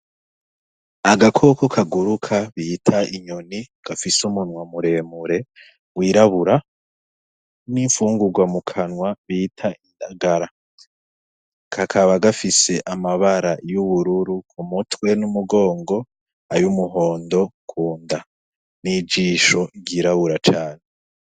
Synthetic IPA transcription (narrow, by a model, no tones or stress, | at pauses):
aɡakʰo̞kokʰaɡuɾukʰaβitʰaʔiɲo̞ni | ɡ̥afisumunwamuɾe̞ːmuɾe̞ | wiːɾaβuɾa | niɱfuːŋɡuɡwamukʰanwaβiːtʰaindaɡaɾa | kʰakʰaβaɡafise̞ʔamaβaɾajuβuɾuɾukʰumutwe̞numuɡo̞ːŋɡo̞ | ajumuɦo̞ːndo̞kʰuːnda | nid͡ʒiːʃo̞ɟiɾaβuɾat͡ʃaːne